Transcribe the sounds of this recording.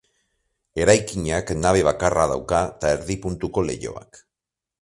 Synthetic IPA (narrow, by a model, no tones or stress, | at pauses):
e̞ɾajkiɲaknaβ̞e̞β̞akaraðawkat̪aeɾðipunt̪uko̞le̞̰ʝo̞̰a̰k